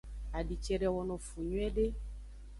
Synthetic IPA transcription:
a˨ɖi˨t͡ʃɛ˨ɖɛ˨wɔ˨nɔ̃˨fu˨ɲũ˦ɛ˦ɖe˦

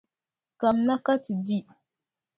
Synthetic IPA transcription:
ka˨mna˦ka˦ti˨di˦

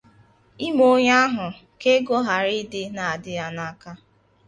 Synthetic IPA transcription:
i˦mo˦ɲa˦ɦʊ˨ | ke˦ɡɔ˦ɦa˨ɾi˦dɪ˦na˨a˨dɪ˦a˦na˦ka˦

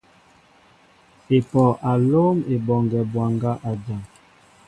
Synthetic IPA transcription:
e˨pɔ˨ʔa˨lo˦me˨bɔ˨ŋɡɛ˨bwa˨ŋɡa˦ʔa˨d͡ʒa˨ŋ

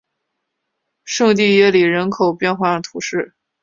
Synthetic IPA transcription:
ʂɤ˥˧ŋt̪̬i˥˧jɛ˥˩li˨˩ɻə˧˥nkʰo˨˩ʊpjɛ˥˧nxwa˥˩t̪ʰu˧˥ʂɻ̩˥˩

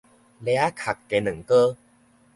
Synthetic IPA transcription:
lɛ˧˦a˦kʰa˨˩kːe˨˧nɨ˨˩˦ŋkə˦

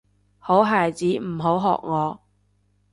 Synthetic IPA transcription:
ho˨˥wɦaː˨jt͡siː˨˥m̩˨˩ɦo˨˥wɦɔ̰ː˨k̚ŋɔː˨˧

